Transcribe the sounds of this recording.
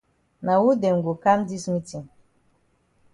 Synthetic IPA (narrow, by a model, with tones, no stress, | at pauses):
na˨wu˦dɛ˨ŋ˨ɡo˨ka˦mdi˦smi˦ti˨m